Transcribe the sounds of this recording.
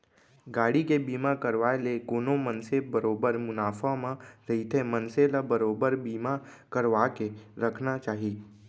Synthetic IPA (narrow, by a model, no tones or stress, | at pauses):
ɡaːɽikebiːmakəɾʋaːelekʊːnõmənsebəɾoːbəɾmʊnaːfamãɾɐɦit̪ʰemənselabəɾoːbəɾbiːma | kəɾʋaːkeɾɐkʰnat͡ʃaːɦiː